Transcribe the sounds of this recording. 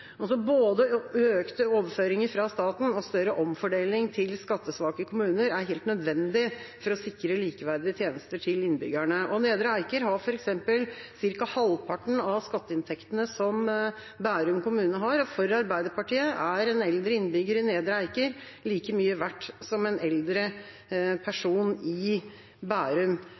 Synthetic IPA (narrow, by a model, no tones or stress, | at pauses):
ɑlsɔboːd̪əøːkt̪əoːʋəføːɾɪŋəɾfɾɑst̪ɑːt̪n̩ɔst̪œɾəʔɔmfɔɖeːlɪŋt̪ʰɪlskɑt̪ːəsʋɑːkəkʰʊmʉːnəɾæɾɦeːlt̪nœd̪ʋɛnd̪ɪfɔɾɔsɪkːɾəliːkəʋæɾd̪ɪət̪ʰjeːnəst̪əʈʰɪlɪnːbʏ̰ɡæɳəʔɔneːd̪ɾəæɪkəɾɦɑɾfɔɾɛksɛmpəlsɪɾkɑhɑlpʰɑʈɳn̩ɑʋskɑt̪ːəɪnt̪ʰɛkt̪ənəsɔm | bæːɾʉmkʊmʉːnnəɦɑɾɔfɔɾəɑɾbæɪd̪əɾpʰɑʈiːəʔæɾɛnɛld̪ɾəɪnːbʏɡəɾɪneːd̪ɾəæɪkəɾ | liːkəmyːəʋæʈːsɔmɛnɛld̪ɾə | pʰæʂuːnɪ | bæːɾʉm